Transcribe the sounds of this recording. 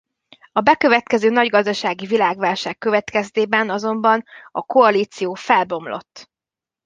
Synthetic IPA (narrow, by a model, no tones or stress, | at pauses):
ɒbɛkø̞vɛt̪kɛzøːnɒɟɡɒzd̪ɒʃaːɡivilaːɡvaːlʃaːkːø̞vɛt̪kɛst̪eːbɛnɒzo̞mbɒnɒko̞ɒliːt̪sijoːfɛlbo̞mlo̞̰t̪ː